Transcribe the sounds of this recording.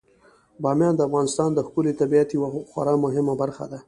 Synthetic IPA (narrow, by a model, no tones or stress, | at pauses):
bɑmjɑnd̪əafɣɑnɪst̪ɑnd̪əxkʊlet̪abiat̪jwaxwa̰ɾamʊɦɪmabaɾxa̰d̪a